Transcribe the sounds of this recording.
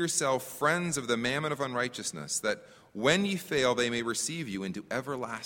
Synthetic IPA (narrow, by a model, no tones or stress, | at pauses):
ə˞sɛlˠfɹɛ̃ndzʌvðɨmæ̃nmɨ̃ɾ̃ʌvə̃nɹaɪt͡ʃɨsnɨ̰sðɨt̚ | wɨ̃njɨfeɪlˠðeɪmeɪɹɨsivjɨɪ̃ntʉʔɛvə˞læs